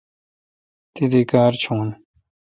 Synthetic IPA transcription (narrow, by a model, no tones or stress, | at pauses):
t̪id̪ekaːɾt͡ɕʰũːn